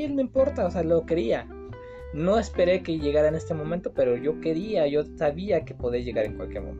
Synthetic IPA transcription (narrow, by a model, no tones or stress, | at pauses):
elmeimpo̞ɾt̪aosealo̞ke̞ɾia | no̞e̞spe̞ɾe̞ke̞ʝe̞ɣaɾaene̞st̪e̞momẽnt̪o̞pe̞ɾo̞ʝo̞ke̞ɾiaʝo̞saβiake̞po̞ðeʝe̞ɣaɾe̞̰ŋkwa̰lkjeɾmo̰mḛ̃